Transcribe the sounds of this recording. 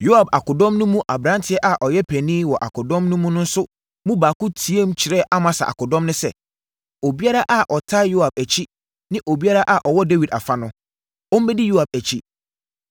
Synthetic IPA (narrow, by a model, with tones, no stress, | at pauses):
jo˦a˨ba˨kʊ˨dɔ̃˦mnũ˦mũ˦ʔa˨bɾã˦ntʰɪ˦ɛ˦ʔa˨ʔɔ˨jɛ˦pʰæ˨nĩ˦wɔ˨ʔa˨kʰʊ˨dɔ̃˦mnũ˦mũ˦nʊ̃˦n̩˦sʊ˦ | mũ˦baː˨kʊ̃˦tʰi˨e˦m˦t͡ɕʰɪ˨ɾɛ˦ʔa˦mã˨sa̰˨ʔa̰˨kʊ˨dɔ̃˦mnʊ̃˦sɛ̰˨ | o˨bi˦a˦ɾa˦ʔa˨ʔɔ˨tʰa˦jo˦a˨b̚æ˨t͡ɕʰi˦ | nɪ̃˦ʔo˨bi˦a˦ɾa˦ʔa˨ʔɔ˨wɔ˦de˦wi˨da̰˨fa˦nʊ̃˦ | ɔ˦m̩˦mɛ˦di˦jo˦a˨b̚æ˨t͡ɕʰi˦